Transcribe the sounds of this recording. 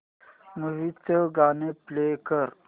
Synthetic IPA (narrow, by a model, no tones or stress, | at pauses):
məʋit͡səɡaːneplekəɾ